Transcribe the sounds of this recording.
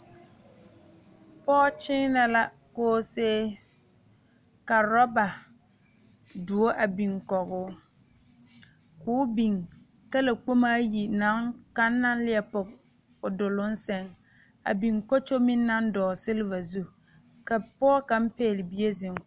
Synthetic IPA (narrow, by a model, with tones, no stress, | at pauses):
pɔː˦t͡ʃɪː˦na˨la˦ | koː˦seː˦ | ka˨ɾɔ˦ba˨ | du˨o˦ʔa˨bi˨ŋkɔ˨ɣʊː˦ | kʊː˨˦bi˨ŋ | ta˦la˨k͡po˦maː˦ji˨na˦ŋka˦nː˦a˦n˦lɪ˦ɛ˨pʊ˨k̚ | ʊ˨dʊ˨lʊ˦n̩˦sɛ˨ŋ | a̰˨bi˨ŋkɔ˦t͡ʃo˦mɪ˦nːa˦n˦dɔː˨sɪ˦lɪ˦va˨zu˦ | ka˨pɔː˦ka˨m̩˦peː˦˨lɪ˨bi˨e˦zɪ˨ŋ